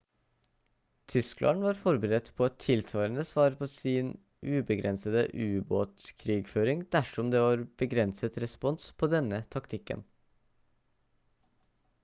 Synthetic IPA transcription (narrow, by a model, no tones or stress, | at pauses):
t̪ʰʏsklʔɑ̰nʋɑːɾfɔɾbəɾɛt̪ːpʰoːɛt̪ʰːɪlsʋɑːɾənəsʋɑːɾpʰoːsiːn | ʔʉːbəɡɾɛnsəd̪ə̰ʔʉːboːt̪kʰɾiːɡføːɾɪŋd̪̥æʂɔmd̪eːʋɑːɾb̥əɡɾɛnsət̪ɾɛspɔnspʰoːd̪ɛnːət̪ʰɑkt̪ʰɪkːə̰n